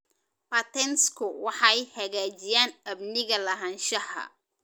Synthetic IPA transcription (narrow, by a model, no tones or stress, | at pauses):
ʔɐt̪ʰɛnskʰʊwɑħɑjhɐɣaːt͡ʃɪjaːnɐbnɪɣɐlɐɦɐnʃɐhɐ̰